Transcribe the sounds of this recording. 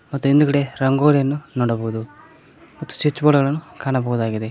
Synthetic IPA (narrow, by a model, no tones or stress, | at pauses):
mɐt̪ːuind̪ukɐɽe̞ɾɐŋɡoːɾijɐnːunoːɽɐbɐɣud̪u | mɐt̪ːu̥t͡ʃit͡ʃːboːɭɐɡɐɭɐnːukaːɳɐbɐɣud̪aːɡid̪e̞